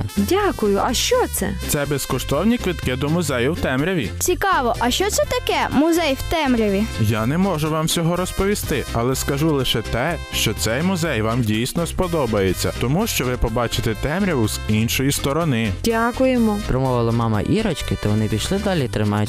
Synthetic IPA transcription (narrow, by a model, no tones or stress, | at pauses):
dʲakʊjʊʔɐʃt͡ʃɔt̪sɛ̰t̪sɛbeskɔʃt̪ɔwnʲikʋɪt̪kɪd̪ɔmʊzɛjɐwt̪ɛmɾʲɐʋʲit͡sʲikɑʋɔʔɐʃt͡ʃɔt̪sɛt̪ɐkɛmʊzɛjwt̪ɛmɾʲɐʋʲijanɛmɔʒʊʋɑmsʲɔɦɔɾɔspɔʋʲist̪ɪɐlˠɛskɐʒulˠɪʃɛt̪ɛ | ʃt͡ʃɔt̪sɛjmʊzɛjʋɑmdʲijsnɔspɔd̪ɔbɐjet͡sʲːɐ̰t̪ɔmuʃt͡ʃɔʋɪpɔbɑt͡ʃɪt̪ɛt̪ɛmɾʲɐʋʊz̥inʃɔjist̪ɔɾɔnɪdʲakʊjemɔpɾɔmɔʋɪlˠɐmɑmɐ̰ʔiɾɔt͡ʃkɪt̪ɐʋɔnɪpʲijʃlˠɪd̪ɑlʲit̪ɾɪmɑjʊ